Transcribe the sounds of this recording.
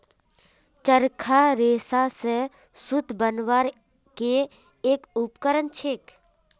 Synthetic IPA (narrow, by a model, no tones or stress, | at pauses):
t͡ʃəɾkʰaɾeːsase | sʊd̪ʱbənʋaːɾ | keː | kʊpkəɾənt͡ʃʰeːk